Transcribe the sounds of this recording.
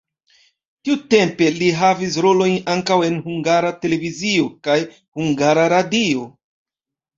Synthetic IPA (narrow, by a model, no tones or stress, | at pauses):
tiute̞mpe̞liɦavis̬ɾo̞lo̞jnaŋkawe̞nhuŋɡaɾate̞le̞vizio̞kaj | huŋɡaɾaɾadio̞